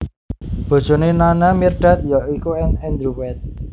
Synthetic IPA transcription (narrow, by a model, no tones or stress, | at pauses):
b̥o̤d̥ʒ̥o̤nenanamirɖ̥at̪̚jɔikuɛnɛnd̪ɾuwɛt̪̚